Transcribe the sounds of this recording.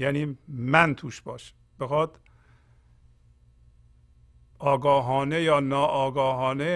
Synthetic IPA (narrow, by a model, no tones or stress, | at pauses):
jæːniːmænt̪ʰuːʃbɒ̰ːʃ | b̥exɒːd̪̥ | ɒːɡɒːɦɒːnejɒːnɒːʔɒːɡɒːɦɒːne